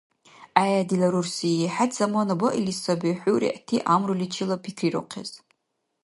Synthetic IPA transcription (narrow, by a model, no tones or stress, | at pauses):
ajadilaɾursiiħatʰz̥amonaboʔilisabiħʷurḭʔtʰiʔamrulit͡ʃʰilapʰikʰriɾo̰qʰa̰z